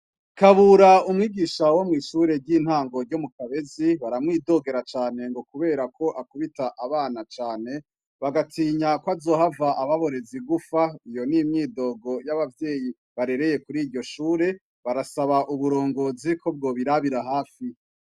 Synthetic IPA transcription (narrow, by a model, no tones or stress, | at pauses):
kaβuɾaumŋiːɡiːʃawo̞mŋiːʃuːɾe̞ɾɟiːn̥haːŋɡo̞ɾɟo̞mukaβe̞ziβaɾamŋiːdo̞ɡe̞ɾat͡ʃaːne̞ŋɡo̞kuβe̞ːɾakʰo̞ʔakuβitaʔaβaːnat͡ʃaːne̞ | βaɡatʰiːɲakwazo̞ːɦavaʔaβaβo̞ɾe̞ziɡufaijo̞nimɲiːdo̞ːɡo̞jaβavje̞ːji | βaɾe̞ɾe̞je̞kuɾiɾɟo̞ʃuːɾe̞ | βaɾasaβaʔuβuɾo̞ːŋɡo̞ːzikʰo̞b̚ɡo̞ːβiɾaβiɾaɦaːfi